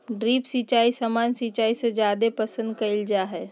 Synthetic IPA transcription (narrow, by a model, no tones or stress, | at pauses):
ɖɾipsit͡ʃaisamansit͡ʃaisẽd͡ʒjad̪epəsə̃nd̪̚kəɪld͡ʒaɦɛ